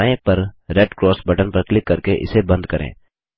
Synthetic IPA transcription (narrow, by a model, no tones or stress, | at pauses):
ẽpɐɾɾɛɖkɾɔːsbɐʈənpɐɾklɪkːɐɾkeʔɪ̰sebɐ̃nd̪kɐɾʔḛ̃ː